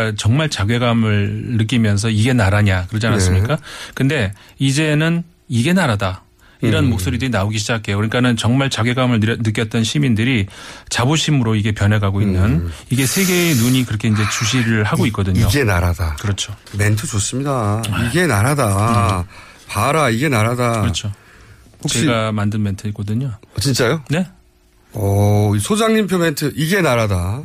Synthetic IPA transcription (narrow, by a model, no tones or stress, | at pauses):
at͡ɕʌŋmaɭt͡ɕaɡɥe̞ɡamɯɭnɯk͈imjʌns̬ʰʌiɡe̞naɾaɲakɯɾʌd͡ʑanass͈ɯmɲik͈akɯnde̞ | id͡ʑe̞nɯn | iɡe̞naɾada | iɾʌnmok̚s͈oɾidɯɾinaoɡiɕʰid͡ʑakʰe̞jokɯɲik͈anɯnt͡ɕʌŋmaɭt͡ɕaɡwe̞ɡamɯɭnɯk̬͈jʌt̚t͈ʌnɕʰimindɯɾit͡ɕaboɕʰimɯɾoiɡe̞pjʌnɦeɡɦaɡoinːɯniɡe̞sʰe̞ɡe̞nuɲikɯɾʌkʰe̞ind͡ʑe̞t͡ɕuɕ̬ʰiɾɯɭhaɡoik͈ʌdɯɲioɡe̞naɾadakɯɾʌt͡ɕʰome̞ntʰɯt͡ɕos͈ɯmɲidaiɡe̞naɾada | paɾaiɡe̞naɾadaɯɾʌt͡ɕʰo | hot͡ɕeiɡamandɯnme̞ntʰɯik͈ʌdɯɲot͡ɕint͡ɕ͈ajone̞ | ʌisʰod͡ʑaŋɲimpʰjome̞ntʰɯiɡe̞naɾada